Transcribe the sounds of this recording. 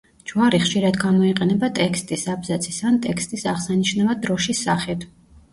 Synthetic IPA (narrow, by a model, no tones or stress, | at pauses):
d͡ʒvaɾiχʃiɾad̪ɡamɔiqʼɛnɛbat̪ʼɛkst̪ʼisabzat̪sʰisant̪ʼɛkst̪ʼisaʁsaniʃnɛvad̪ɾɔʃisaχɛd̪ʰ